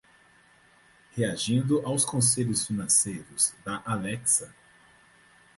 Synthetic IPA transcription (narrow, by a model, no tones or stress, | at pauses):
heaʒĩnd̪ʊʔawskõseʎʊsfinɐ̃sejɾʊz̥d̪ɐʔalɛksɐ